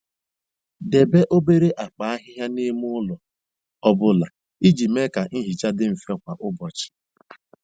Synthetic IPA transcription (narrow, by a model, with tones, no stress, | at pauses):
de˨be˦ʔo˦be˦ɾe˦ʔa˨k͡pa˨a˦ɦɪ˦ɦja˦ni˦mʊ˦lɔ˨ | ɔ˦bʊ˦la˨ | i˦d͡ʒi˨me˦ka˨˦ɦi˨t͡ʃa˦dɪ˦m̩˨fɔ˦kʷa˨ʔʊ˦bɔ˨t͡ʃɪ̥˨